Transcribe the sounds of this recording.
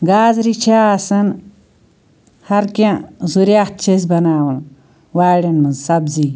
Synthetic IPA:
ɡaːzɾit͡ʃʰasɐn | hɐɾkãzuɾat̪̚t͡ʃʰezbɐnaːwɐn | waːɽɐnmɐnzsɐbziː

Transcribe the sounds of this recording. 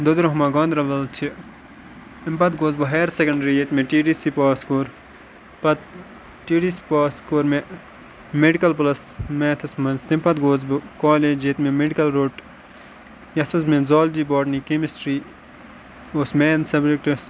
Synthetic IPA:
d̪od̪ɾɐɦumaɡɐ̃ːnd̪ɾɐʋɐlt͡ʃʰi | impɐt̪ɡoːzbɐɦeːɾsekɐɳɖɐɾijet̪mẽʈiːɖisipaːskoːɾ | pɐt̪̚ | ʈiːɖisi̥paːskoːɾme | meɖikɐlplɐsmet̪ʰɐsmɐnt̪impɐt̪ɡoːzbɨkaːleːd͡ʒjet̪memeɖikɐlɾoːʈ | jɐt̪ʰɐsmẽzaːld͡ʒiːboːʈnikemisʈɾiː | oːsmeːnsɐbɾekʈis

